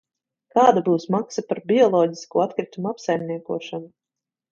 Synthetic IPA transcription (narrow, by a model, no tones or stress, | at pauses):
kaːd̪abuːsmaksapaɾbʲiɔlˠɔːɟʲiskuːat̪kɾit̪umuapsajmʲniɛkuɔʃanu